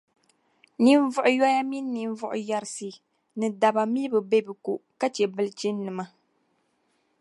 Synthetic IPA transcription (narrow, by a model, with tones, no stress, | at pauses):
ni˦ɱ˦vʊ˦ʔʊ˨jɔ˦ja˦mi˦nː˦i˨ɱ˦vʊ˦ʔʊ̰˨ja˨ɾsi˨ | nɨ˨da˨ba˨mi˦bɨ˨be˦bɨ˨ku˨ʔka˦t͡ʃɛ˨bɨ˦lɨ˦t͡ʃi˦nː˦ɨ˨ma˦